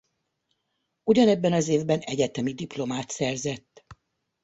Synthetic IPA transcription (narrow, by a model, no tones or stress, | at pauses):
uɟɒnɛbːɛnɒzeːvbɛnɛɟɛt̪ɛmid̪iplo̞maːt̪sɛrzɛt̪ː